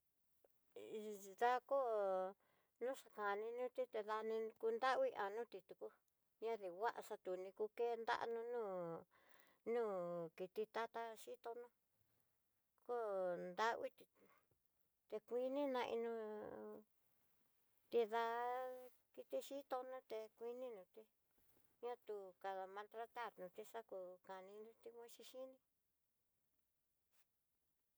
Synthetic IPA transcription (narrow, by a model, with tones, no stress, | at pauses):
ða˧ko˦ | nũ˦ʂa˧ka˨nĩ˧nũ˦t̪i˦t̪e˧ða˧nĩ˧ku˧nd̪a˦˧wi˦ʔa˨nũː˦t̪i˧t̪u˧ku˧ | ɲã˦ði˨wa˦ʔa˧ʂa˧t̪u˨nĩ˧ku˧ke˦nd̪a̰˦ʔa̰˧nũ˧nũː˦˨ | nũː˦ki˧t̪i˧t̪a˦t̪a˦˧ʃi˦t̪o˧nũ˦ | ko˦nd̪a˦wi˦t̪i˧ | t̪e˧kʷi˧nĩ˦nã˧ʔḭ˧nũ˧ | t̪i˧ða˧ | ki˧t̪i˧ʃi˦t̪o˧nũ˦t̪e˧kʷi˧nĩ˦nũ˧t̪i˦˧ | ɲã˦t̪u˧ka˧ða˧mã˧lt̪ɾa˧t̪a˦˨ɾnũ˨˧t̪i˧ʂa˦ku˧ka˨nĩ˧nũ˦t̪i˧kʷã˦ʃi˧ʃi˦nĩ˧